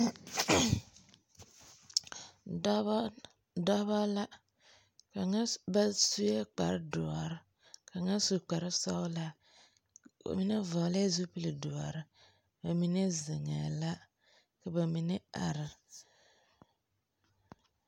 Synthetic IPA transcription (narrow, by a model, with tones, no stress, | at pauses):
dɔ˦ba˦la˦ | ka˨ŋa˦ba˦su˦jɛ˦k͡pa̰˨ɾɨ˦dʊ˨a˨ɾɨ˦ | ka˨ŋa˦su˨k͡pa˨ɾɨ˦sa˦wla˦ | ba̰˨mi˦ne˦vɔ˨la˦zu˦pi˦li˨dʊ˨a˨ɾɨ˦ | ba˨mi˨ne˦zɪ˨ŋa̰˨la˦ | ka˨ba˨mi˨ne˦a̰˨ɾɨ˨